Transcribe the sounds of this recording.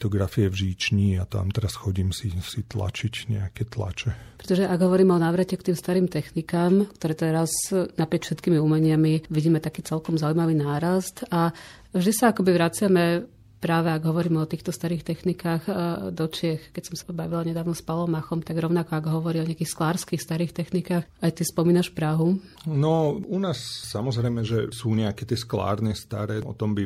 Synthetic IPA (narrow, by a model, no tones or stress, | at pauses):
t̪ɔɡɾafiɛvʒiːt͡ʃɲiat̪a̰mt̪ɛɾasxɔɟiːmsisit̪la̰t͡ʃicɲɛ̰akɛt̪la̰t͡ʃɛpɾɛt̪ɔʒɛʔaɡɦɔʋɔɾiːmɛɔnaːʋɾacɛkt̪iːmst̪aɾiːmt̪ɛxnikaːmkt̪ɔɾɛːt̪ɛɾaznapɾɪɛcfʃɛt̪kiːmiuːmɛɲɪamiʋiɟiːmɛt̪akiːt͡sɛlkɔmzauimaʋiːnaːɾast̪a | vʒd̪isaakɔbiʋɾat͡sɪamɛ | pɾaːʋɛaɡɦɔʋɔɾiːmɛɔt̪iːxt̪ɔst̪aɾiːxt̪ɛxnikaːxd̪ɔt͡ʃɪɛxkɛcsɔmsabaʋilaɲɛd̪aːʋnɔspalɔmaxɔmt̪aɡɾɔʊnakɔaɡɦɔʋɔɾiːɔɲɛakiːxsklaːɾskiːxst̪aɾiːxt̪ɛxnikaːxajt̪ispɔmiːnaʃpɾaɦunɔunaːssamɔzɾɛjmɛʒɛsuːɲɛakɛt̪ɪɛskla̰ːɾnɛst̪a̰ɾɛːʔɔ̰t̪ɔmbi